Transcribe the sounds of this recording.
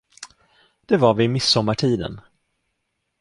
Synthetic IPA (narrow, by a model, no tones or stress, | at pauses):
d̪̥ɛvaɾvɪːmɪsːɔmːaʈʰiːd̪ə̰n